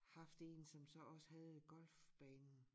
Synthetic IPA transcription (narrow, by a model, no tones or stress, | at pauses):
hɑ̈fd̥e̝ːnsɒ̽msɒ̽ɒ̽sə̥hæð̩ˠɡ̥ɒ̽lfb̥ɛːnn̩